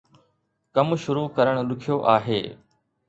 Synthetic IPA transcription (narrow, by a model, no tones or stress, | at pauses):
kəmʃʊɾuːkəɾəɽ̃lʊkʰijoːʔaːɦeː